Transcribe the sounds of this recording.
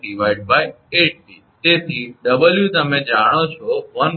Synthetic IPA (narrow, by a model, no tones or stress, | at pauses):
ɪʋaːɪɖbaːɪ | eːʈ̚biːt̪eːt̪ʰiːɖɐbəljut̪əmẽd͡ʒaːɽ̃ot͡ʃʰoʋən